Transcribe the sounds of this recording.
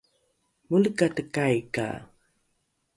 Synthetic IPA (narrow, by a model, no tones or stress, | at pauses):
mulkat̪əkajka̰